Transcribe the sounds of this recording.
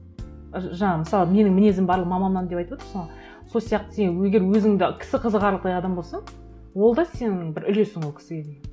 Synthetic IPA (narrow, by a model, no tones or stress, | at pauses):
ʒɑɴɑməsɑlˠəme̞nɪŋmɪne̞zɪmbɑɾlˠəqmɑmɑnɑnd̪e̞pɑjt̪əpwot̪əɾsɑɴ | so̞lˠsijɑq̚t̪ə̥senwɵɡʲe̞ɾwɵzɪŋd̪ɪkʲʰɪ̥sɪqʰəzəʁqɑɾlˠəq̚t̪ɑjɑd̪ɑmbo̞lˠsɑɴ | wo̞lˠd̪ɑse̞nɪŋŋbɪɾʏle̞sɪŋwolkʰʲɪ̥sɪɡʲed̪ej